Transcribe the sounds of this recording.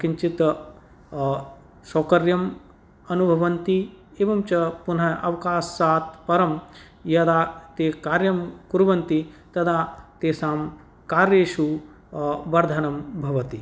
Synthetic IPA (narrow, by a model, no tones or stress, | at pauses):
kiɲt͡ʃit̪ | soːkɐɾjɐm | ɐnubʱɐʋɐnt̪ieːʋɐmt͡ʃɐpun̤ɐɐʋkaːsːaːt̪pɐɾɐm | jɐd̪aːt̪eːkaːɾjɐmkuɾʋɐnt̪it̪ɐd̪aːt̪eːsaːm | kaːɾjeːʃu | ʋɐɾd̪ʱɐnɐmbʱɐʋɐt̪i